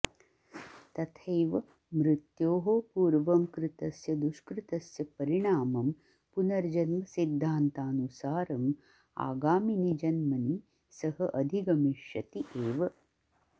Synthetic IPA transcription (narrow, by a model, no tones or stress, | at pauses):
t̪ɐt̪ʰejʋɐ | mɾɪt̪joːɦopuːɾʋɐmkɾɪt̪ɐsjɐd̪uʃkɾɪt̪ɐsjɐpɐɾiɳaːmɐm | punɐɾd͡ʒɐnmɐsid̪ʱːaːnt̪aːnusaːɾɐm | a̰ːɡaːminid͡ʒɐnmɐni | sɐɦɐʔɐd̪ʱiɡɐmiʃjɐt̪iʔeːʋɐ